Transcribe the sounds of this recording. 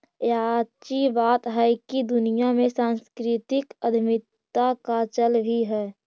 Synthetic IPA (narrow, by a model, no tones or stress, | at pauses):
jaːt͡ʃibaːt̪ɦɛkid̪ʊnijamẽsãːnskɾɪt̪ɪkəd̪ʱɪmɪt̪ːakat͡ʃəlbʱiɦɛː